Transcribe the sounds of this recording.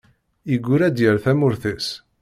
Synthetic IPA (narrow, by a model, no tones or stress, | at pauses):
iɡʷːuɾæd̪jəɾθæmʊɾθæs